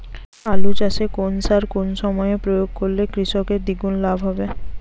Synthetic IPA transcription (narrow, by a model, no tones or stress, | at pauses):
alut͡ɕaʃekonsaɾkonʃɔmɔepɾojoɡ̚koɾlekɾiʃɔkeɾd̪iɡunlabʱɦɔbe